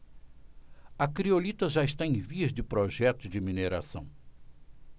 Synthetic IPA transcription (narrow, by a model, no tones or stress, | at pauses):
ɐkɾiolit̪ɐʒaɪst̪aẽj̃viɐzd͡ʒɪpɾoʒɛt̪ʊzd͡ʒɪmineɾa̰sɐ̰̃w̃